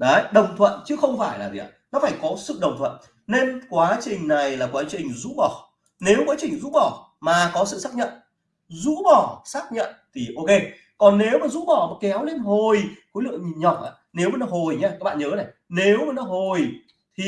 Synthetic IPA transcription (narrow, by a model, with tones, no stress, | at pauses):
ɗə˨˦ɗə˨˩wŋ͡mt̪ʰwə̰˧˨nt͡ɕɨ˨˦xə˧wŋ͡mfaː˧˩jlaː˨˩zḭ˨ʔa̰ː˨˩nɔ˨˦faː˧˩jkɔ˨˦sɨ̰˧˨ɗə˨˩wŋ͡mt̪ʰwə̰˧˨n | ne˧nkwaː˨˦t͡ɕï˨˩ŋ̟na˨˩jlaː˨˩kwaː˨˦t͡ɕï˨˩ŋ̟zṵ˧˥ɓɔ˧˩ | ne˨˦wkwaː˨˦t͡ɕï˨˩ŋ̟zṵ˧˥ɓɔ˧˩ | maː˨˩kɔ˨˦sɨ̰˧˨saː˦˥k̚ɲə̰˧˨n | zṵ˧˥ɓɔ˧˩saː˦˥k̚ɲə̰˧˨nt̪ʰi˨˩ʔo˧ke˧ | kɔ˨˩nːe˨˦wmaː˨˩zṵ˧˥ɓɔ˧˩maː˨˩kɛ˨˦wle˧nɦo˨˩jxu˨˦lɨ̰˧˨əŋɲi˨˩ɲɔ˨˩t̚ʔa̰ː˧˩ne˨˦wma˨˩nɔ˨˦ɦo˨˩jɲa˧kaː˦˥k̚ɓaː˧˨ɲəː˨˦na˨˩jne˨˦wmaː˨˩nɔ˨˦ɦo˨˩j | t̪ʰi˨˩